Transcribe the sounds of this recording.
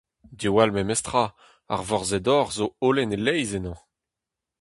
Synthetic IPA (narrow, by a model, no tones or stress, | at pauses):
d̪iwalmemɛst̪χa | a̰ʁvɔʁzed̪ɔʁzoolɛnelɛjzenɑ̃